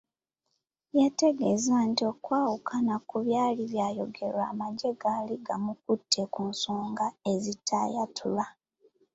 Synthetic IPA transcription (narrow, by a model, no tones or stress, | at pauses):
jete̞ɡe̞zaːntio̞kwaːwukʰanakuβjaːliβjaːjo̞ɡe̞ɾwaːmaɟe̞ɡaliɡamukutʰːe̞kunsoːŋɡae̞zitʰːa̰ːjatʰula